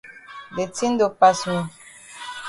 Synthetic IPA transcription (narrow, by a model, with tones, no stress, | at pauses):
de˨ti˦n˦do˨pa˨sĩ˨